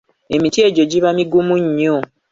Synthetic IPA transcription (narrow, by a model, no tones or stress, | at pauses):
e̞mitie̞ɟo̞ɟiβamiɡumuɲːo